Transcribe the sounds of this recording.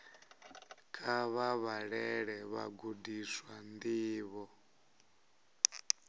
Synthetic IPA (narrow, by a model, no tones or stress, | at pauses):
kʼʰaβaβaɺɛɺɛβa̰ɡudiswand̪iːβɔ